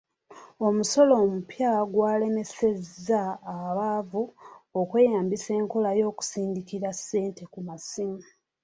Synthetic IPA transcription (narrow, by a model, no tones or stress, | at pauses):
o̞muso̞lo̞ːmupjaɡwaːle̞me̞se̞zːaːβaːvuokwe̞ːjaːmbise̞ːŋko̞lajo̞ːku̥siːndikiɾasːe̞ːnte̞kumasimu